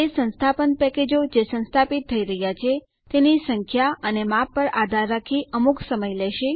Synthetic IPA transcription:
esə̃nst̪ʰapənpɛked͡ʒod͡ʒesə̃nst̪ʰapit̪ʰːəiɾəɦjat͡ʃʰe | t̪enisəŋkʰjaənemapːəɾad̪ʱaɾːakʰiʔəmuksəməjlɛʃe

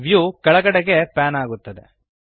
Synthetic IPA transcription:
ʋjukɐɭɐɡɐɽeɡe̞paːnaːɡut̪ːɐd̪ḛ

